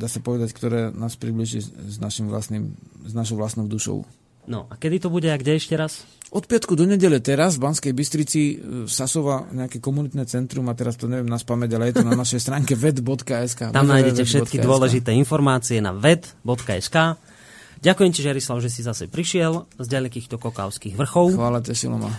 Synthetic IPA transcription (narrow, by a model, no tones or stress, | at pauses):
d̪aːsapɔʋɛd̪ackt̪ɔɾɛːnaːspɾibliʒiznaʃimʋla̰snimznaʃ̬ɔʊʋlast̪nɔʊd̪uʃɔ̰ʊ | nɔ̰ʔakɛd̪it̪ɔbuɟɛaɡɟɛɛʃcɛɾasʔɔt̪pɪat̪kud̪ɔɲɛɟɛʎɛt̪ɛɾazvbanskɛjbist̪ɾit͡sisasɔʋaɲɛakɛkɔmunit̪nɛt͡sɛnt̪ɾumat̪ɛɾast̪ɔɲɛʋɪjɛmnaspamɛɟalɛjɛt̪unanaʃɛjst̪ɾaːŋkɛʋɛd̪bɔt̪kaɛskaːt̪amnajɟɛcɛfʃʃɛt̪̚kid̪ʊɔlɛʒit̪ɛːinfɔɾmaːt͡siɛna̰ʋɛd̪bɔt̪kaɛ̰skaː | ɟakujɛmcɛʒɛjaɾislaʊʒɛsizasɛ̰pɾiʃɪɛlzɟalɛkiːxt̪ɔkɔka̰ʊskiːɣʋr̩xɔʊʋaːlacɛsḭlɔ̰ma̰